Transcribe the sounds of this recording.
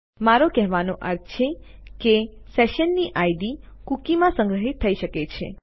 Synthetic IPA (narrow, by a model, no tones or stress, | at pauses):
maɾokɛɦʋanoʔəɾt̪t͡ʃʰekeseʃənːiʔaiɖikukimãsə̃ŋɡɾəɦit̪ʰːəiʃəket͡ʃʰḛ